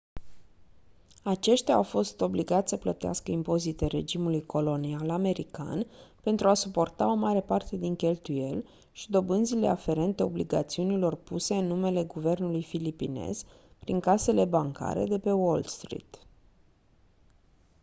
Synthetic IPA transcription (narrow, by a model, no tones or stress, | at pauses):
at͡ʃe̞ʃt̪ʲaːwfo̞st̪o̞bliɡat̪sʲsəplət̪ea̰skəimpo̞zit̪e̞ɾe̞̰d͡ʒimulujkʰo̞lo̞nialame̞ɾika̰npe̞nt̪ɾuasupo̞rt̪ao̞maɾe̞part̪e̞d̪iŋkʲe̞lt̪uje̞̰l | ʃid̪o̞bɨnd̪zile̞̰afe̞ɾe̞nt̪e̞o̞bliɡat̪siunilo̞rpuse̞ɨnːume̞le̞ɡuve̞rnulujfilipine̞̰z̥ | pɾiŋkase̞le̞baŋka̰ɾe̞̰d̪e̞pe̞wolst̪ɾḭt̪